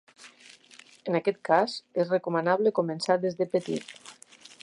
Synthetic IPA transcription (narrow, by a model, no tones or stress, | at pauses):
ənakɛt̪̚kazezrekumənaβləkomənsaɾðezðəpət̪ḭt̪